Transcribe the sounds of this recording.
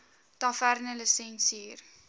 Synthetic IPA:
tɑfærnələsɛnsiir

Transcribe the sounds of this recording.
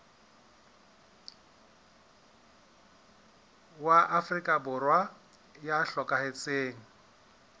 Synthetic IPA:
waʔafrikʼabʊrwa | jaɬɔkʼahet͡sʼeːŋ̩

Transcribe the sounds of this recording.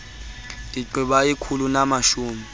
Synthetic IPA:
iǃiɓaikʰulunamaʃuːmi

